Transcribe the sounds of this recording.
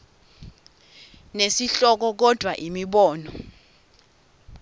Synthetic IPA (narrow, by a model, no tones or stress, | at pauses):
nesiɬɔk̬ɔk̬ɔd̥ʱwaʔimiɓɔːnɔ